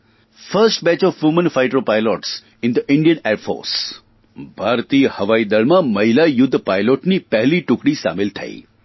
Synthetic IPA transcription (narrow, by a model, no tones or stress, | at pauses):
fəɾsʈbɛ̃t͡ʃɔfjumənfajʈɾopajlɔʈs | ɪnd̪əʔɪɳɖijəneɾfo̰ɾs | bʱaɾt̪iəhəʋaid̪əɭmãmɐɦilajʊd̪ʱːpajloʈnipɛɦliʈʊkɽisa̰mɪlt̪ʰə̰ḭ